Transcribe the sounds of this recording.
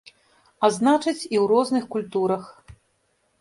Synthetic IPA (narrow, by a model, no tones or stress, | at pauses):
aznat͡ʂɨt͡sʲiwɾɔznɨxkulʲt̪uɾɐx